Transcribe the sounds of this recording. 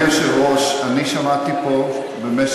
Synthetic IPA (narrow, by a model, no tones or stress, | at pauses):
aʃelʁoʃaniʃamat̪ipo | bemes